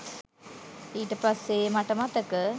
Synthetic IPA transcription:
iːʈəpasːemaʈəmat̪əkə

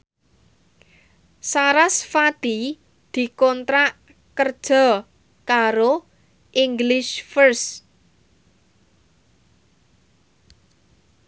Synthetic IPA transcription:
saɾasfat̪i | d̪̥i̤kɔnt̪ɾaʔ | kərd̥ʒ̥ɔ̤ | kaɾo | ʔiŋɡlɪʃfərs

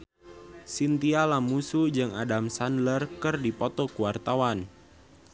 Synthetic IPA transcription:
sint̪ialamusud͡ʒɨŋadamsandlərkɨrdipɔt̪ɔkuwart̪awan

